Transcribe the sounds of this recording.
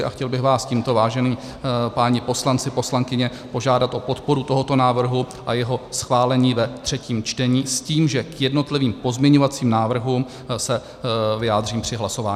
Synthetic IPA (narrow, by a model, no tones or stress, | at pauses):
ɪʔa̰xcɛlbɪɣvaːsciːmt̪o̞vaːʒɛniː | paːɲɪpo̞slant͡sɪpo̞slaŋkɪɲɛ | po̞ʒaːdat̪ʔo̞po̞t̪po̞ɾut̪o̞ɦo̞t̪o̞naːvr̩ɦu | ʔajɛɦo̞sxvaːlɛɲiːvɛt̪r̝̥ɛciːmt͡ʃt̪ɛɲiːsciːmʒɛkjɛdno̞t̪lɪviːmpo̞zmɲɛɲo̞vat͡siːmnaːvr̩ɦuːm | sɛ | vɪjaːd̪r̝iːmpr̝̥ɪɦlaso̞vaːɲ